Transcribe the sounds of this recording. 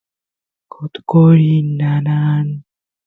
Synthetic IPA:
kʰot̪koɾinːanan

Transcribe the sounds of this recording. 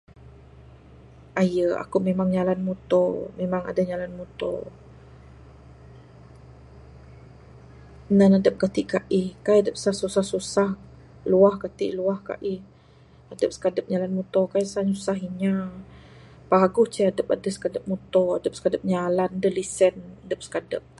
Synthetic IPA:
ʔajəa̰kumemaŋɲalanmut̪ɔmemaŋa̰daɲalanmut̪ɔ̰ | nənadəp̚kat̪iʔkaʔihkajadəp̚sahsusahsusah | luahkat̪ḭʔluahka̰ʔih | adəp̚sə̥kadəp̚ɲalanmut̪ɔkajsaɲusaɦiɲa | paɡʊht͡ʃəadəp̚adəsə̥kadəp̚mut̪ɔadəp̚sə̥kadəp̚ɲalandəlisənadəp̚sə̥kadə̰p̚

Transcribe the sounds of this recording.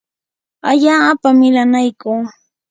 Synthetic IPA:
aʎaːpamɪlanajkuː

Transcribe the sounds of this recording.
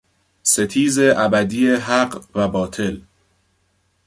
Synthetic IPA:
se̞t̪ʰiːze̞ʔæbæd̪iːeɦæɢvæbɒːt̪ʰe̞l

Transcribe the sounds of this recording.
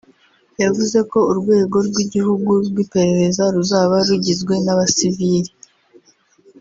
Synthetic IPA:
javuze̞ko̞uɾɡwe̞ːɡo̞ɾɡwiɟihuɡuɾɡwipe̞ɾe̞ɾe̞zaɾuzaːβaɾuɟizɡwe̞naβasiviɾi

